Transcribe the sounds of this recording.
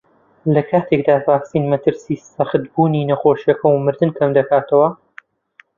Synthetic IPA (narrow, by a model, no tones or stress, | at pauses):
lɐkʰaːt̪ʰe̞kd̪aːvaːksiːnmɐt̪ʰɨɾsiːsɐχɨt̪buːninɐχoːʃjɐkʰɐwmɨɾd̪ɨnkʰɐmd̪ɐkʰaːt̪ʰɐwɐ